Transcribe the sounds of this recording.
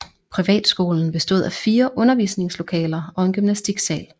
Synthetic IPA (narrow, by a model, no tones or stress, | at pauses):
pʰʁiʋɛ̰ːd̥sɡ̥o̝̰ːln̩b̥e̝sd̥o̝ð̞̰ˠæfiːɐʔɔ̽nɐʋḭːsne̝ŋslo̝kʰɛ̰ːlɐɒ̽e̝nɡ̥ymnæsd̥iɡ̥sɛːl